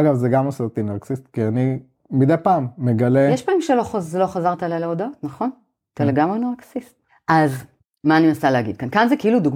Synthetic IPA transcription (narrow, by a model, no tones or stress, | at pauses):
aɡavzeɡamosot̪inaʁksist̪kiani | mid̪ejpaːmːeɡɐlejeʃpamimʃeloχlo̞χazaʁt̪aalajleod̪aot̪nɐχo̞n | taleɡamʁenaʁksist̪̚ | ʔaz | maːnimasaleaɡid̪̚kankanzekeilud̪uɡ